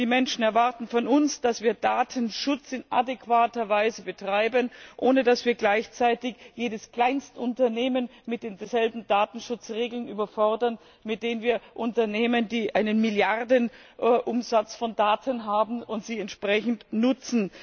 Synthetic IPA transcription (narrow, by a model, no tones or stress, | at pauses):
d̥iːmɛnʃn̩ɛɐvaʁtn̩fɔnʊnsd̥asv̥iːɐdaːtʰənʃʊt͡sɪna̰dekv̥aːtɐvaɪzəbətʁ̥aɪbənʔoːnədasviːɐɡlaɪçt͡saɪtɪçjeːdəskl̥aɪnstʔʊntɐneːmənmɪt̚d̥eːndzɛlbm̩daːtn̩ʃʊt͡sʁeːɡl̩nʔyːbɐfɔʁdɐn | mɪt̚d̥eːnənviːɐʔʊntɐneːməndiːʔaɪnənmɪljaʁdənʔʔʊmzat͡sfɔndaːtʰənɦaːbm̩ʊntz̥iːɛntʃpʁ̥ɛçn̩tnʊt͡sn̩